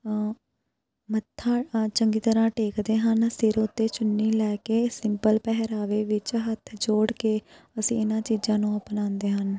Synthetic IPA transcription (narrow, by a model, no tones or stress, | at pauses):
mət̪ʰːaːt͡ʃəŋɡiːt̪əɾãːʈeːkd̪eːɦənsɪɾʊt̪ːeːt͡ʃʊnːiːlɛːkeːsɪmpəlpɛɦəɾaːʋeːʋɪt͡ʃɦət̪ʰd͡ʒoːɽkeː | əsĩːɪnãːt͡ʃiːd͡ʒãːnũːəpnãːnd̪eːɦən